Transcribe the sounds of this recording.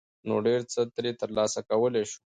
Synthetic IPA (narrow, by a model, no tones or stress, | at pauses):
noɖeɾt͡sət̪ɾet̪əɾlɑsakawəleʃu̥